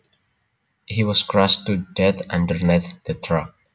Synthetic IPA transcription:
hiwɔskɹɔstudɛtʌ̃ndəɹniθd̪̥ət̪ʰɹak̚

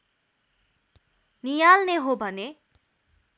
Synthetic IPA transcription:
nijalneɦobʱʌne

